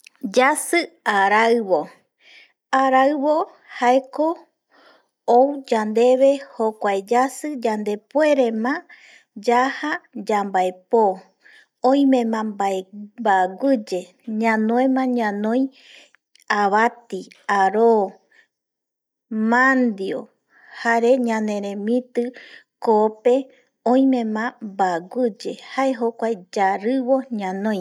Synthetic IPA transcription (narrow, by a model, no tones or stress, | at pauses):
d͡ʒasɨaɾaɨβo | aɾaɨβo̞ | haeko | owd͡ʒand̪e̞βe̞hokʷaed͡ʒasɨd͡ʒand̪e̞pwe̞ɾe̞mã | d͡ʒahad͡ʒambaepo | õĩmẽmãmbaembaɡʷɨd͡ʒe̞ | ɲãnõẽmãɲãnõj̃ | aβat̪iaɾo | mãnd̪jo | haɾe̞ɲãnẽ̞ɾẽmĩt̪ɨkope | õj̃mẽmãmbaɡʷɨd͡ʒe̞haʔeɦokʷaed͡ʒaɾɨβoɲãnõj̃